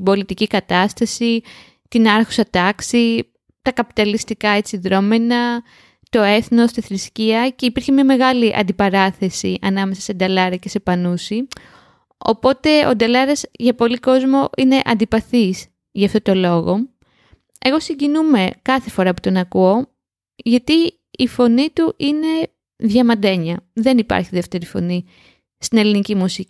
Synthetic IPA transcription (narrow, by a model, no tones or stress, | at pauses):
ibo̞lit̪icikɐt̪ɐst̪ɐsi | t̪inɐɾxo̥sɐt̪ɐksi | t̪ɐkɐpi̥t̪ɐlist̪ikɐe̞t͡siðɾo̞menɐ | t̪o̞e̞θno̞st̪iθɾisciɐce̞ipiɾçemiɐme̞ɣɐliʔɐ̰nd̪ipɐɾɐθe̞siʔɐnɐme̞sɐ̥se̞d̪ɐlɐɾɐce̞se̞pɐnusi | o̞̰po̞t̪e̞o̰d̪ɐlɐɾɐzʝɐpo̞liko̞zmo̞ʔine̞ʔɐnd̪ipɐθis | ʝɐft̪o̞t̪o̞lo̞ɣo̞ | e̞ɣo̞siɲɟinume̞kɐθe̞fo̞ɾɐpu̥t̪o̞nɐkuo̞ | ʝɐt̪iː | fo̞nit̪uʔine̞ | ðʝɐmɐnd̪e̞ɲɐðe̞nipɐ̰ɾçiðeft̪e̞ɾifo̞̰ni | st̪ine̞linicimusicii